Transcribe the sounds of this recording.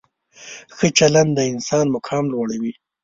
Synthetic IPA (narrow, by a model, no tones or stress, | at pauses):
xət͡ʃaland̪d̪əɪnsɑːnmʊkʰɑːmlwaɽawi